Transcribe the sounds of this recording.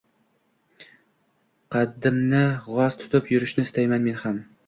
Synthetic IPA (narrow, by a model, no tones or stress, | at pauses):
qʰɑd̪ːɪmnɪʁɒzt̪ʰʊ̥t̪ʰʊpjʊɾɪʃnɪɪst̪ʰajmanme̞nham